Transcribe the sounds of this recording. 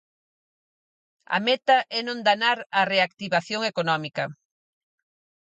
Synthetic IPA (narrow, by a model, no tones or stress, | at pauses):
ɐ̰mɛt̪ɐʔɛnõnd̪anaɾɐreakt̪iβaθjoŋekonɔmikɐ